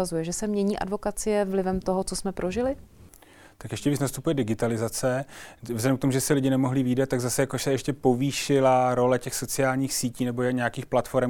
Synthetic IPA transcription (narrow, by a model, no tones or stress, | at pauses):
azujɛʒɛsɛmɲɛɲiːʔa̰dvo̞kat͡sɪjɛvlɪvɛmt̪oɦot͡sosmɛpɾʔoʒɪlɪ | t̪akjɛʃcɛviːt͡snast̪upujɛdɪɡɪt̪alɪzat͡sɛvzlɛdɛmk̚t̪omuʒɛsɪlɪɟɪnɛmoɦlɪviːdat̪̚ːaɡzasɛjakoʃsɛjɛʃcɛpo̞viːʃɪlaɾo̞lɛcɛxso̞t͡sɪaːlɲiːxsiːciːnɛbojɲɛjakiːxplat̪fo̞ɾɛm